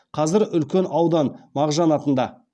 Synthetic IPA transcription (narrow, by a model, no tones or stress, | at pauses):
qʰɑzɪɾʏlkʲe̞nɑwd̪ɑnmɑʁʒɑnɑt̪ənd̪ɑ